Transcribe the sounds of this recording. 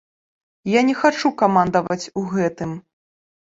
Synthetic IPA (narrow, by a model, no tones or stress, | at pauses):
janʲɛxat͡ʂukamand̪ɐvɐt͡sʲuɣɛt̪ɨm